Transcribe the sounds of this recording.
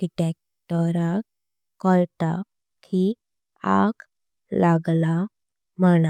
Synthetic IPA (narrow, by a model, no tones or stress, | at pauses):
ɖiʈɛk̚ | ʈɔɾa | kɔlʈa | kʰi | a̰k | laɡla | məna